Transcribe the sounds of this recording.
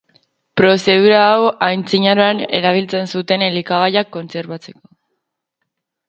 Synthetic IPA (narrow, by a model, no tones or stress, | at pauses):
pɾo̞se̞ð̞uɾaːwajnt͡siɲaɾoane̞̰ɾaβ̞ilt͡se̞nsut̪e̞nelikaɣajakːo̞nt͡se̞ɾβat͡se̞̥ko̞̥